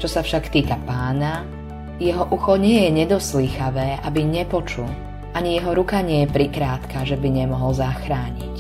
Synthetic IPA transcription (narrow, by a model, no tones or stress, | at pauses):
t͡ʃɔsafʃakt̪iːkapaːna | jɛɦɔʔuxɔɲɪɛjɛɲɛd̪ɔsliːxaʋɛːʔabiɲɛpɔt͡ʃul | ʔaɲijɛɦɔɾukaɲɪɛjɛpɾikɾaːt̪kaʒɛbiɲɛmɔɦɔlzaxɾaːɲḭc